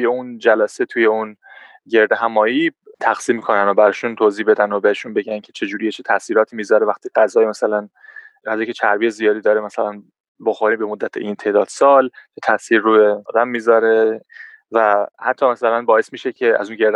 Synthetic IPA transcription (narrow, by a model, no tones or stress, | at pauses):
t̪ʰujeund͡ʒælæset̪ʰuje̞un | ɟe̞ɾd̪eɦæmɒːjit̪ʰæxsiːmːikʰo̞nænobæɾɒːʃunt̪ʰoːziːbe̞d̪ænobeheʃunbeɟæncʰet͡ʃʰe̞d͡ʒuːɾijet͡ʃʰet̪ʰæsiːɾɒːt̪ʰiːmizɒɾevæxt̪iɢæzɒːjimæsælæn | æzɒːkʲcʰet͡ʃʰæɾbiːjezijɒːd̪iːd̪ɒːɾemæsælæn | boxoɾiːbemod̪ːæt̪ʰḛʔint̪ʰe̞d̪ɒːd̪̥sɒːlt͡ʃʰet̪ʰæsiːɾːubed̪æmːiːzɒːɾe | væhæt̪ʰːɒːmæsælænbɒːe̞smiːʃecʰeæ̰zunɟeɾd̪